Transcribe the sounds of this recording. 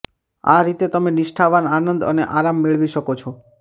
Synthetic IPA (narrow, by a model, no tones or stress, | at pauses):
a̰ɾit̪et̪əmenɪʃʈʰaʋananənd̪ə̰neʔaɾamːeɭʋiʃəkot͡ʃʰɔ